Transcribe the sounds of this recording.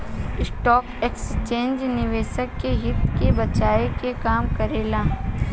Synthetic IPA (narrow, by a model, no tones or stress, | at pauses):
ɪsʈɔːkekst͡ʃẽːnd͡ʒnɪʋeːʃəkːeɦɪt̪kebɐt͡ʃaːekekaːmkɐɾeːlãː